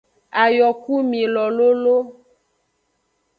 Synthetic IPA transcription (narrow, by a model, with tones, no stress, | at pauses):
a˨jɔ˨ku˦mĩ˨lɔ˨lo˦lo˦